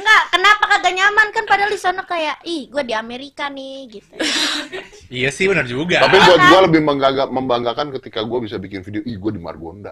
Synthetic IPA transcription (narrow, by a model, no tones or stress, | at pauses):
ŋɡakənapakadaɲamankanpadalisonɔkajaʔɪhɡuadiameɾikanɪɡit̪u | ijasɪhbənərd͡ʒuɡat̪apiɡuad͡ʒuɡaləbɪhmaŋɡaɡaməmbaŋɡakankət̪ikaɡuabisabikɪnfideoʔɪhɡuadima̰rɡo̰nda̰